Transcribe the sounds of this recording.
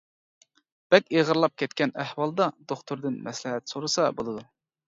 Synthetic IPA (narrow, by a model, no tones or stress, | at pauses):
b̥ɛkʲeʁəɾlˠɑp̚kʲʰɛt̪kʲɛnæhwɑlˠd̪ɑd̪̥oχt̪ʰuɾd̪ɨnmɛslɪɦɛt̪soɾɨsɑbolˠɨd̪u